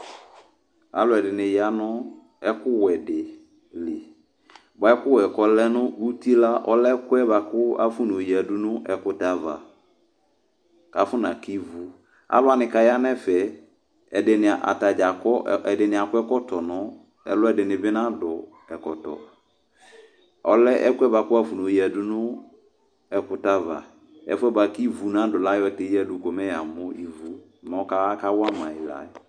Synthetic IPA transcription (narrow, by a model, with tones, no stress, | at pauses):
a̰˨lʊ˨˦ɛ˨dɪ˨nɪ̃˨ja˦nʊ˦ | ɛ˦kʊ˦wɛ˨dɪ˨ | lɪ˨ | ba˨ɛ˦kʊ˦wɛ˨kɔ˦lɛ˦nʊ̃˦u˦ti˦la˦ʔɔ˦lɛ˦kʊ˦ɛ˦ba˨kʊ˦a˦fʊ˦nʊ˨ji˨a˨du˦nʊ̃˦ʔɛ˨kʊ˦ta˨˦va̰˨ | ka˨˦fʊ˦na˨ki˦vu˦ | a̰˦lʊ˦a˨nɪ̃˨ka˨ja˦nɛ˦fɛ˨ | ɛ˨dɪ˨nɪ˨ʔa̰˨ta˨d͡ʒa˨kɔ˦˨ɛ˨dɪ˨nɪ̃˨a˨kʊ˦ɛ˦kɔ˦tɔ˨nɔ˦ | ɛ̰˨lʊ˦ɛ˦dɪ˨nɪ˨bɪ˦nã˦dɔ˨ | ɛ˨kɔ˨tɔ̰˨ | ɔ˨lɛ˦ʔɛ̰˦kʊ˦ɛ˦ba˨kʊ˦a˦fu˨nʊ˨ji˦ɛ˨dʊ˦nʊ˦ | ɛ˨kʊ˨ta˦va̰˨ | ɛ̰˨fʊ˦ɛ˦ba˨ki˦vu˨nã˨˦dʊ˨la˦jɔ˦tɛ˨˦i˦a˨dʊ˨kɔ˨mɛ˦ja˨mʊ˦i˨vu˨ | mɔ˨˦ka˦ka˦wa˦mã˨ɪ˨la̰˨˦